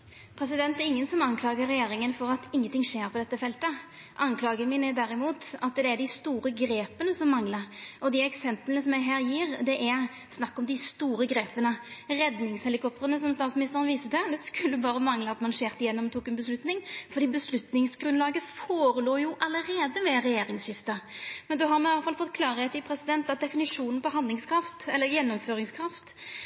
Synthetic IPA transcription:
pʰɾɛs̬ɪd̪ɛnt̪ːɛɾɪŋːənsɔmɑnkʰlɑːɡəɾːɛjeːɾɪŋənfɔɾɑt̪ɪŋːənt̪ʰɪŋʂeːɾpʰɔd̪ɛt̪ːəfɛlt̪ə | ʔɑnkʰlɑːɡənmiːnəd̪æɾɪmuːt̪ɑt̪d̪ɛæɖɪst̪uːɾəɡɾeːpənəsɔmːɑŋləɾʔɔd̪ɪɛksɛmplənəsɔmjæɪɦæːɾjiːɾd̪ɛʔæɾ | snɑkːɔmd̪ɪst̪uːɾəɡɾeːpənəʁɛd̪nɪŋshɛlɪkʰɔp̚t̪əɾənəsɔmst̪ɑːt̪smɪnɪst̪əɾənʋiːsət̪ɛd̪ɛskʉlːəbɑːʁəmɑŋləɑt̪mɑnʃeːʁt̪ɪjɛnːɔmt̪ʰuːkɛnbəslʉt̪nɪŋfɔɾd̪iːbəslʉt̪nɪŋsɡɾʉnlɑːɡəfoːɾəluːjʊʔɑləɾeːd̪əʋɛɾɛjeːɾɪŋsɕɪft̪ɑmɛnd̪ʉɦɑɾmɛɑlːəfɑlfɔt̪̚ːkʰlɑːɾəɛt̪ɪpʰɾɛsɪd̪ɛnt̪ɑt̪̚d̪ɛfɪnɪʂuːnən̩pʰɔɦɑnd̪lɪŋskʰɾɑft̪ɛlːəɾjɛnːɔmføːɾɪŋskʰɾɑft̪

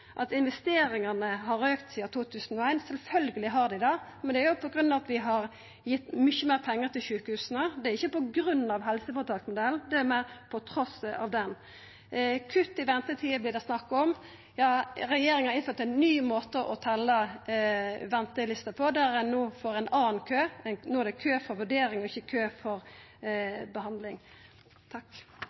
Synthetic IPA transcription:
ʔɑt̪ɪnʋɛst̪eːɾɪŋɑnəɦɑɾøːkt̪siːɑt̪ʰuːt̪ʰʉːsənɔæɪnsɛlfœlɡəlɪɦɑʁd̪ɪd̪ɑmɛnd̪ɛæɾjʊpʰɔɡɾʉnːɑt̪ʋɪɦɑɾ | jɪt̪mʏçəmeːɾpʰɛŋːəɾt̪ʰɪlɕʉːkəhʉːsənəd̪ɛæɾɪçːəpɔɡɾʉn̩ːɑʋɦɛlsəfɔɾt̪ʰɑːksmʊd̪ɛlnd̪ɛæɾmæɪɾpʰɔt̪ʰɾɔsɑ̰ʋd̪ɛn | kʰʉt̪ːɪʋɛnt̪ət̪ʰiːəblɪːd̪ɛsnɑkːɔm | jɑːɾɛjeːɾɪŋnhɑʁɪnføːɾt̪æɪnːyːmoːt̪əʔɔt̪ʰɛlːə | ʋɛnt̪əlɪst̪əpʰɔd̪æɾɛnːuːfɔɾɛɪnɑːn̩kʰøːɛnnoːæd̪ɛkʰøːfɔʋʉɖeːɾɪŋɔɪçːəkʰøːfɔɾ | bəɦɑnd̪lɪŋ | t̪ʰɑk

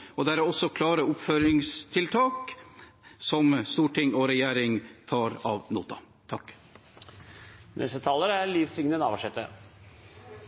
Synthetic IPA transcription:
ɔd̪æɾɔsːɔkʰlɑːɾəʊpføːɾɪŋst̪ʰɪlt̪ʰɑːk | sɔmst̪uːʈʰɪŋːɔɾɛjæːɾɪŋt̪ʰɑːɾɑ̰ʋnṵːt̪ɑ̰ | t̪ʰɑkː | nʔɛ̰st̪ət̪ʰɑːləɾæliːfsɪŋnənɑ̰ːʋɑʂɛt̪ːə̰

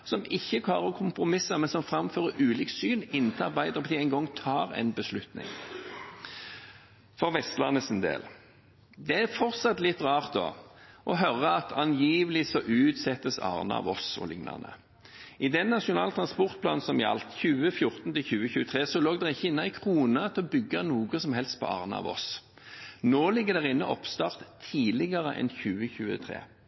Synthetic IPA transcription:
sɔmɪçːək̪ʰɑːʁəkʰʊmpʁʊmɪsəmɛnsɔmfʁɑmføːʁəɾʉːliːksyːnɪnːt̪ʰɑbæɪd̪əʁpʰɔd̪iːæɪnɡɔŋːt̪ʰɑːɾɛ̰nbəslʉt̪nɪ̰ŋ | fɔʁʋɛst̪lɑnːəsɪnd̪ḛːl | d̪ɛæʁfɔʁt̪sɑt̪lɪt̪ːʁɑːʁt̪̚d̪o̰ːʔɔɦœʁːəɑt̪ʰɑnjiːʋəlɪsɔʔʉːt̪sɛt̪ːəsɑ̰ːʁnə̰ɑ̰ʋɔsɔ̰lɪ̰ŋnɑ̰nə̰ | ɪd̪ɛnːɑʂɪʊnɑ̰ːlt̪ʰɾɑnspɔʁt̪̚pʰlɑːnsɔmjɑ̰lt̪çʉːəfjʊʁt̪n̩t̪ɪlçʉːəçʉːət̪ʰʁeːsɔloːɡd̪ɛʁɪçːəɪnːəæɪkʰʁuːnət̪ʰɪlɔbʏɡːɑnuːɡəsɔmɦɛlst̪̚pʰɔ̰ɑ̰ːʁnɑ̰ɑ̰ʋɔ̰s | noːlɪɡːəʁd̪ɛʁɪnːəʔɔpst̪ɑʁt̪ʰːiːlɪɡəʁəʔɛ̰nçʉːəçʉːət̪ʰʁḛː

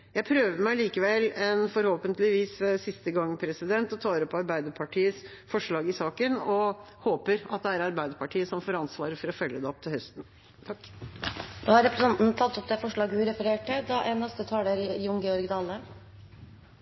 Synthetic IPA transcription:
jæɪpʰɾøːʋəmæɪliːkəʋɛlɛnfɔɾhoːpənt̪lɪʋiːssɪst̪əɡɑŋːpʰɾɛsɪd̪ɛnt̪ɔt̪ʰɑːɾɔpːɑɾbæɪd̪əɾpʰɑʈʰiːəs | fɔʂɭɑːɡɪsɑːkənɔ | hoːpəɾɑt̪̚d̪ɛæɾɑɾbæɪd̪əɾpʰɑʈʰiːəsɔmfoːɾɑnsʋɑːɾəɾfɔɾɔfœlːəd̪ɛɔp̚t̪ʰɪlhœst̪n̩ | t̪ʰɑkː | d̪oːhɑɾɛpɾəsɛnt̪n̩t̪ʰɑt̪ːɔp̚d̪ɛfɔʂɭɑːɡəhʉɾɛfəɾeːʈːəd̪ɑʔɛnɑst̪ət̪ʰɑːləɾjʊŋɡɛɔɾɡd̪ɑːlə

